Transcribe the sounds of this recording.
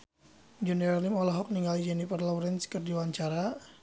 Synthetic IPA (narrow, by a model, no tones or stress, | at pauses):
d͡ʒɛnɛɾalimɔlaɦɔk̚niŋɡalid͡ʒɛnipərlɔwɾɛnskərdiwaɲt͡ʃaɾa